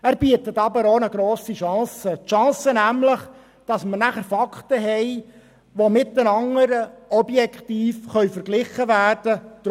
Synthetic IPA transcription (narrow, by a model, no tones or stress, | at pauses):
æːɾbiətətɑbəɾonəɡɾoːsiʃɑ̃ːsətʃɑ̃ːsənæmləχ | d̥ɑsmənæχəɾfɑktəɦɛj | ʋomɪt̚ːənɑŋəɾəɔbjɛkχtiːfχœɥfəɾɡlɪχəʋæːrd̥əd̥̪